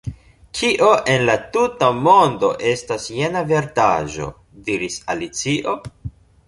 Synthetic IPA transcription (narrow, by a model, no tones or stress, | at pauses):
kʰiʔo̞ʔe̞nlatutamo̞ndo̞ʔe̞stasje̞nave̞ɾta̰ʒo̞̰ | diɾisa̰lit͡siʔo̞